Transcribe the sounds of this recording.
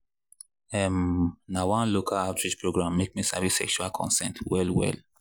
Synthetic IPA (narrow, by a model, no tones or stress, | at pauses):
ɛmnawãnlokʰalatɹid͡ʒpʰɹoɡɹãmːek̚misa̰visɛ̰kʃualkʰɔ̰̃nsɛ̃ntwɛlwɛ̰l